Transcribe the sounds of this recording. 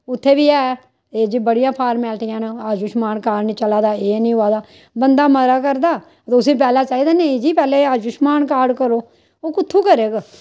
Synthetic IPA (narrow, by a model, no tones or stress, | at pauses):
ʊt̪ʰːeːbiːɛː | eːd͡ʒiːbəɽɪjãːpʰaːɾmɛːlʈɪjãːnːaːd͡ʒʊʃmaːnkaːɾɖnĩːt͡ʃəlaːd̪aːeːnĩːɦʊaːd̪aː | bənd̪aːməɾaːkəɾd̪aː | t̪ːʊsĩːp̬ɛːlaːt͡ʃaːiːd̪aːnẽid͡ʒiːpɛːleːaːd͡ʒʊʃmaːnkaːɾɖkəɾoː | oːkʊt̪ʰːuːkəɾeːɡa